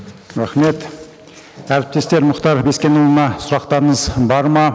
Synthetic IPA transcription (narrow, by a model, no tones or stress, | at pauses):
ɾæχmet̪ | æɾp̚t̪est̪e̞ɾmʊχt̪ɑɾbeskʲenuwmɑsʊɾɑqt̪ɑɾəɴəzbɑɾmɑ